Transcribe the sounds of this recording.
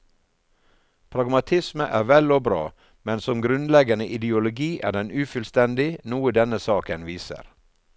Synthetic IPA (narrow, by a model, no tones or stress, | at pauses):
pʰɾɑɡmɑt̪ʰɪsməʔæːɾʋɛloːbɾɑ̰ː | mɛnsɔmɡɾʉnlɛɡənəʔɪd̪ɪʊlʊɡiːʔæ̰ːɖɛnʉːfʉlst̪ɛnd̪ɪnuːəd̪ɛnəsɑːkənʋiːsə̰ɾ